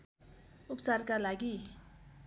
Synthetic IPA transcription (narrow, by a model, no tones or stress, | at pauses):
upt͡sarkalaɡi